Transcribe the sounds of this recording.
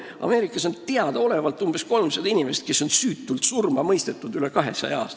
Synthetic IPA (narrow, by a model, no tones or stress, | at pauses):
ʔɑ̰me̞ːɾikːˑɑsont̪eɑd̪̥ɑo̞le̞vɑlt̪ːˑumb̥e̞sko̞lmsɑd̪̥inime̞se̥t̪̚ke̞sːo̞nsyːt̪ːˑult̪surmɑmɤjst̪et̪ːˑud̪̥ylekɑɦe̞sɑ̰jɑɑ̰ːst̪